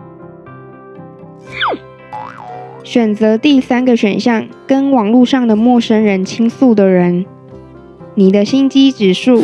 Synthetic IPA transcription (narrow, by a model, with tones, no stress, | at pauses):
ɕɥɛ˨˩nt͡sɤ˧˥t̪i˥˩sa˥nɡə˨ɕɥɛ̰˨˩nɕjɑ˥˩ŋkə˥nwɑ˨˩ŋlu˥˧ʂɑ˥˩ŋd̪ə˩mwɔ˥˩ʂə˥nɻə˧˥nt͡ɕʰi˥ŋsu˥˩d̪ə˩ɻə˧˦˥n | ni˨˩d̪ə˦ɕi˥nt͡ɕi˥ʈ͡ʂɻ̩˨˩ʂu˥˩